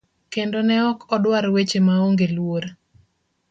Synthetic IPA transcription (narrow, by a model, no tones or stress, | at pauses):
kendonɛɔkʰɔdwaɾwet͡ʃemaoŋɡelwoɾ